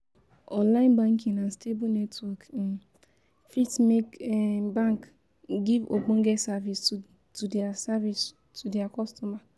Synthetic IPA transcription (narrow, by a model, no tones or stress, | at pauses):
ɔ̃nlaɪ̃nbãŋkĩŋanstebunetwɔk | fitmekbãŋk | ɡivoɡ͡bõŋ̩ɡesavis | tudeasavis | tʰudeakɔstɔma